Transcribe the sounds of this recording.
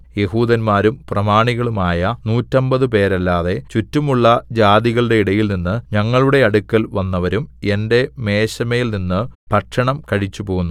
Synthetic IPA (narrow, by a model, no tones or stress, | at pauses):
je̞huːd̪ɐnmaːɾumprɐmaːɳiɣɐɭumaːjɐnuːtːɐmbɐðɨpe̞ːɾɐlːaːðe̞t͡ɕutːumuɭːɐd͡ʑaːðiɣɐɭɨɽe̞iɽɐjilninːɨɲɐŋːɐɭuɽe̞ɐɽukːɐlʋɐnːɐʋɐɾume̞nde̞me̞ːɕɐmɐjilninːɨpɐʈʂɐɳɐmkɐɻit͡ɕːupo̞ːɣunːu